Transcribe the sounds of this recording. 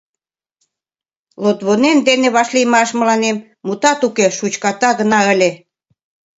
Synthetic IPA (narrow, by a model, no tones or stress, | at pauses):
lot̪βonend̪eneβɑʃlijmɑʃmə̆lɑnemːut̪ɑt̪ukeʃut͡ɕkɑt̪ɑɣə̆nɑə̆lʲe